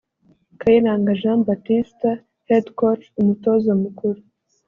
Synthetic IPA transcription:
kʰajinaːŋɡaʒãːmbatista | hedkot͡ʃumutozomukuɾu

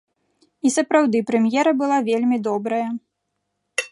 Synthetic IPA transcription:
isɐpɾawd̪ɨpɾɛmjɛɾɐbɨlˠavʲelʲmʲid̪ɔbɾɐjɐ

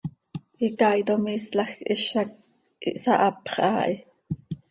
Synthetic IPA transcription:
ʔikɑːjt̪omiːslɑxʔiʃɑk̚ | ʔḭʔsɑʔɑpχʔɑːʔi

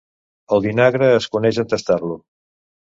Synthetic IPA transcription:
əlˠðinaɣɾəːskunɛʒənt̪əst̪arlu

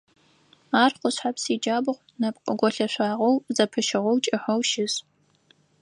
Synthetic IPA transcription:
aːrqʷʊɕħapsiːd͡ʒaːbɨʁʷ | nɐpqʼəɡʷɔɬɐɕʷaːʁɐwzɐpʰɨʃɪʁɔwt͡ʃʼɪħʷɐwʃɪz

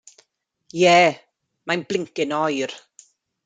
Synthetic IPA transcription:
jɛː | majnblɪŋkɪnɔjr

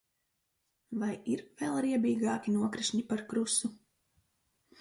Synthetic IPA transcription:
vajiɾvɛlˠɾiɛbiːɡaːkʲinuɔkɾiʃɲipaɾkɾusu

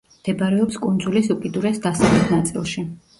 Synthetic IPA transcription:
d̪̥ɛbaɾɛɔpskʼund̪zulisukʼid̪uɾɛsd̪asalɛt̪ʰnat̪sʼḭlˠʃi

